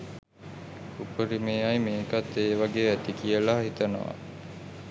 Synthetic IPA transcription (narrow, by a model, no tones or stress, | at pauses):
upəɾimeːajmeːkat̪ːeːʋaɡeːæt̪ikijəlaːɦit̪ɐnə̰ʋa̰